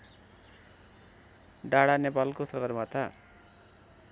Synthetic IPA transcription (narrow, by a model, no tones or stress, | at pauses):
ɖaɽanepalkosʌɡʌrmat̪ʰa